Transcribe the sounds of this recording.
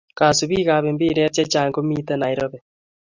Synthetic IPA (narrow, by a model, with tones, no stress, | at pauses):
ka˨su˨βiː˦ɣa˨βe˨mbi˦ɾa˦t͡ʃa˦t͡ʃaː˨ŋɡo˦mi˦tɛ˦na˨i˨ɾɔ˦βɛ